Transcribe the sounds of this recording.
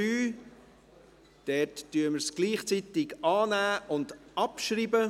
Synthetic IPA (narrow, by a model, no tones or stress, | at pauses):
yː | d̥ɛtːyːəməɾsɡ̥liːχt͡sit̪ɪɡɑːnæːʔʊndɑpʃɾiːbə